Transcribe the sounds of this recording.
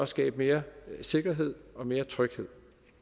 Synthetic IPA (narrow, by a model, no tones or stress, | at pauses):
ɒ̽sɡ̥ɛ̰ːb̥əme̝ːɐse̝ɡ̥ɐɦe̝ð̞̰ˠɒ̽me̝ːɐt͡sʰʁœɡ̥he̝ð̰ˠ